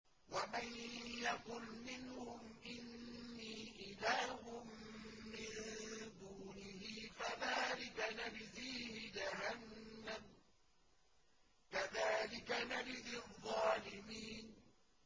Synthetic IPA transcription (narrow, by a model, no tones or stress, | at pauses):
wamanjaqʊlmɪnhʊmʔɪnːiːʔɪlaːhʊmːɪnd̪uːnɪhɪfaðaːlɪkanabɪziːhɪd͡ʒaɦanːam | kaðaːlɪkanabɪzɪðˤːɑːlɪmiːn